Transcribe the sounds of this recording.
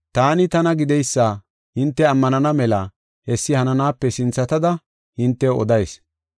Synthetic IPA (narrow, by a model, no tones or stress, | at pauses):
t̪aːnɪt̪ɐnɐɡɪd̪ɛjsːaː | hɪnt̪ːɛɐmːɐnɐnɐmɛlɐ | hɛsːɪhɐnɐnaːpːɛsɪnt͡sːɐt̪ɐd̪ɐ | hɪnt̪ːɛɔ̰d̪ɐjs